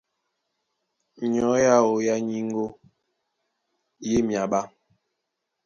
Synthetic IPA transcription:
ɲ˨ɔ˨˦ja˦o˨ja˦ɲi˦ŋ˦ɡo˦ | je˦mja˨ɓa˦

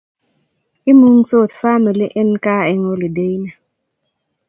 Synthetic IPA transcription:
i˦mu˦ŋ˦t͡so˦˨tfa˦mə˨li˦ʔe˦nkaː˦e˦ŋo˦li˨de˦i˦na˨

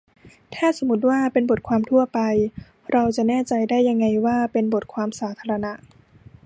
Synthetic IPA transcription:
t̪ʰɛː˥˩so˩˦mu˦˥t̪̬̚waː˥˩pe˧nbo˨˩t̪̚kʰwaː˧mt̪ʰu˥˩ɐpa˧j | ɾa˧wt͡ɕa˨˩nɛː˥˩t͡ɕa˧jdaː˥˩jːa˧ŋːa˧jwaː˥˩pe˧nbo˨˩t̪̚kʰwaː˧msaː˩˦t̪ʰaː˧ɾa˧na˦˥ʔ

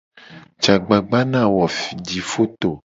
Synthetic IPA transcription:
t͡ʃa˨ɡ͡ba˨ɡ͡ba˦nã˦˨wɔ˨fi˨d͡ʒi˨fo˦t̪o˨

